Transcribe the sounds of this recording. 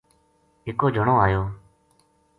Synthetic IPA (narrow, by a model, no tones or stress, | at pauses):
ɦɪkoːd͡ʒʱəɳoːaːjoː